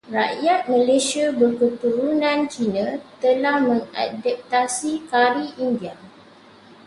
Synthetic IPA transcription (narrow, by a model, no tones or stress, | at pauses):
raʔjat̪̚mə̃lesiabərkət̪uɾunãnt͡ʃinãt̪əlahmə̃ŋa̰dap̚t̪asikaɾiʔindia